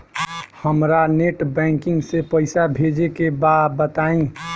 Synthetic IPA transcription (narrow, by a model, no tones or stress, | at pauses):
həmɾaneʈbɛ̃ŋkɪ̃ŋɡsepəɪsabʱed͡ʒekebad̪bət̪aĩ